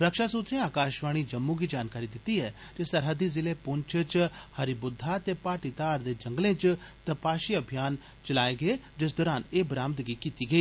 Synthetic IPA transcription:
ɾəkʃaːsuːt̪ɾẽaːkaːʃʋaːɽ̃iːd͡ʒəmːũːɡiːd͡ʒaːnkaːɾiːd̪ɪt̪ːiːɦɛːtesəɾɦəd̪iːzɪleːpʊɲt͡ʃʰət͡ʃhəɾibʊd̪ʱːaːt̪eːpaːʈid̪aːɾd̪eːd͡ʒə̃ŋɡlẽːt͡ʃt̪ɐpaːʃiːəbʱijaːn | t͡ʃəlaːeɡeeːd͡ʒɪs̬d̪ɔːɾaːneːbɾaːmt̪ɡiːkiːt̪iːɡəiː

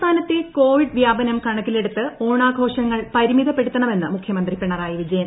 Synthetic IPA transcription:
t̪ʰaːnɐt̪ːeko̞ːʋiɖʋjaːbɐnɐmkɐɳɐkːile̞ɽut̪ːɨoːɳaːɡʱo̞ːʂɐŋːɐɭpɐɾimiðɐpːeɽut̪ːɐɳɐme̞nːɨmukʰjɐmɐnd̪ripiɳɐraːjiʋid͡ʑɐjɐn

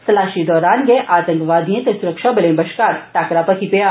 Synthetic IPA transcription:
sɐlaːʃid̪ɔːɾaːnɡeʔaːt̪ə̃ŋkʋaːd̪ʱiẽt̪esuɾəkʃabɐlẽːbɐʃkaːɾʈaːkɾapɐkʰipɐja

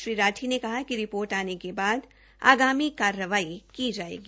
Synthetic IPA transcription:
ʃɾiːɾaːʈʰinekɐɦakiɾɪpoːɾʈaːnekebaːd̪ | a̰ːɡaːmikaːɾjəʋaːikid͡ʒaːḛːɡi

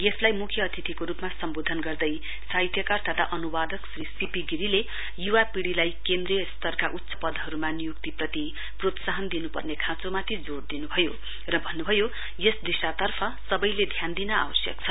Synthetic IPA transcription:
jeslajmukʰjʌːt̪ʰit̪ʰikoɾupmasʌmbod̪ʱʌnɡʌrd̪ʌj | sajt̪ʰjʌkart̪ʰʌt̪a̰ʔʌnubad̪ʌksrisipiɡiɾile | juwapiɽilajkend̪rest̪ʌrkaʔut̪ːsʌ̥pʌd̪ʱɦʌɾumanijukt̪iprʌt̪i | prot̪saɦʌnd̪inupʌ̰rnekʰãt͡somat̪ʰid͡zoɽd̪inubʱʌjo | rʌbʱʌnːubʱʌjo | jesd̪isat̪ʌrpʰʌsʌbʌjled̪ʱjand̪inʌa̰wʌsjʌ̰kt͡sʰʌ

